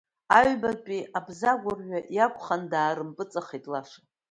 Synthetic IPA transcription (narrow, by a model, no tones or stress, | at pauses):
aɥbarpʼiabzaɡʷarɥʷᶣajakʷʼʰχandaːɾɨmpʼɨt͡sʼaχejtʼlaʂa